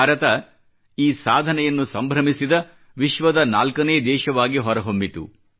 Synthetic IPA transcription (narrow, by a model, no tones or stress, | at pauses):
ɾɐt̪ɐ | iːsaːd̪ʱɐnɛjɐnːusɐmbʱɾɐmisid̪ɐ | ʋiʃʋɐd̪ɐnaːlkɐneːd̪ɛːʃɐʋaːɡiɦɔɾɐɦombit̪ṵ